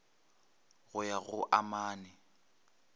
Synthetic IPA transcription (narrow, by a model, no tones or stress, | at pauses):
ɣʊjaɣʊʔamaːnɪ